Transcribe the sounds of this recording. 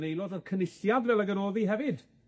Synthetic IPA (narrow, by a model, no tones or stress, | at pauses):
nejlˠɔdərkʰənɪɬjadvɛlˠəɡəɾoːðiɦɛvɨd̥